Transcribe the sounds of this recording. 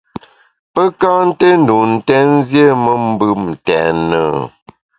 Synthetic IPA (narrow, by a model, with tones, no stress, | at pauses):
pə˦ka˦n̩˦te˦n˦du˨n̩˨tɛ˦n˦zje˦mə˦m˦bɨ˦˨m̩˨tɛ˨nə˨